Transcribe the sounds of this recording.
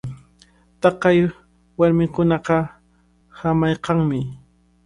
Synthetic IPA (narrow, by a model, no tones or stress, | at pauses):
t̪ɑqɑj | waɾmɪŋkʊnɑqɑ | hamajqɑŋmɪ